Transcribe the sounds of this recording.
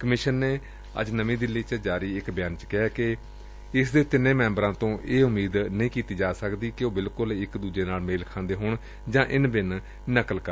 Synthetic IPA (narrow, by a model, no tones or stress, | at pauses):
kəmɪʃənːeː | ə̰d͡ʒnəʋĩːd̪ɪlːiːt͡ʃəd͡ʒaːɾiːɪkbɪjaːnt͡ʃkɪaːke | ɪsd̪eːt̪ɪnːẽːmɛ̃ːmbɾãːt̪õːʔeːʊmiːd̪nəĩːkiːt̪iːd͡ʒaːsəkd̪iːkɪoːbɪlkʊlɪkd̪uːd͡ʒeːnaːlmeːlkʰãːnd̪eːɦoːɳ | d͡ʒãːʔɪnbɪn | nəkəlkə